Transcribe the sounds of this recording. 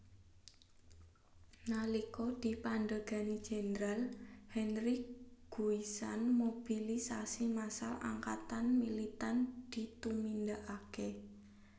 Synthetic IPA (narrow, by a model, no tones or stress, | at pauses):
nalikɔd̪̥i̤panɖəɡ̥a̤nid̥d͡ʒ̥e̤nɾalhɛnɾiɡ̥uisa̰nmob̥ilisasimasalʔa̰ŋka̰t̪anmilit̪and̪̥i̤t̪umind̪aʔake